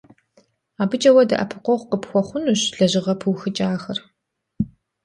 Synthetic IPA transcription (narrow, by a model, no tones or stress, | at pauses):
aːbɨt͡ʃʼɐwɐdɐ̰ʔɐ̰pʰɨqʷɔʁʷqəpxʷɔχʷʊnuːɕɮɐʑɪʁɐpʰɨwxɨt͡ʃʼaːxɐr